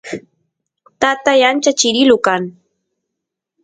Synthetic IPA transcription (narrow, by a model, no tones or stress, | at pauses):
t̪at̪ajant͡ʃat͡ʃɪɾɪlʊkaŋ